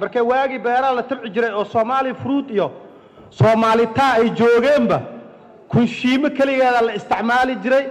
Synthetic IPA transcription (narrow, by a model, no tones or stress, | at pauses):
mɐrkʰɛwaːɣɪbɛːɾɐlɐt̪ʰɐbʕɪt͡ʃɪɾɛjɔːsɔːmaːlɪfʊɾuːd̪ijɔ | sɔːmaːlɪt̪ʰaːɛjt͡ʃɔːɣɛːmbɐ | kʰʊnʃiːmɔkʰɐlɪɣɛːðɐlɐɪst̪ʰɪʕmaːlɪt͡ʃɪɾɛj